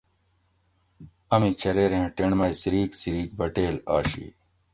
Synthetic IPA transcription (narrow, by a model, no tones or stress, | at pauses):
ɐmit͡ɕʰɐɾeːɾẽɦẽʈeɳmɐjsiɾiːksiɾiːk̚bɐʈeːla̰ːɕḭ